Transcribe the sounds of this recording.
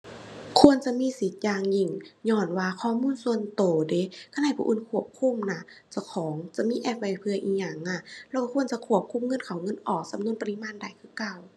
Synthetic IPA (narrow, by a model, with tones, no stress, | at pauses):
kʰu˧˨ə˨nt͡ɕa˧˨miː˧˥˨si˨˦t̪̚jaː˧˩ŋɲi˧˩˨ŋɲɔː˧˩nwaː˧kʰɔː˧˨muː˧˥˨nsu˧˨ə˨nt̪oː˨˩de˨˦kʰa˧˨naː˧˩jpʰṵ˧ʔṵ˧˥˨nkʰu˧˩əp̚kʰu˧˥˨mna˧˩˨t͡ɕa˧˩wkʰɔː˨˦ŋt͡ɕa˧˦miː˧˥˨ʔɛː˧˩p̚wa˧˩jpʰɯ˧əʔiː˧˩ɲa˧˩ŋna˧˩lɛ˧˩ka˧kʰu˧˨ənt͡ɕa˧˦kʰu˧˩əp̚kʰu˧˥˨mŋɤ˧˥˨nkʰa˨˩wŋɤ˧˥˨nʔɔː˨˩k̚sa˨˦mnu˧˨ə˨npa˧li˧˥˨maː˧˥˨nda˨˩jkʰɯː˧˨kaː˧˨w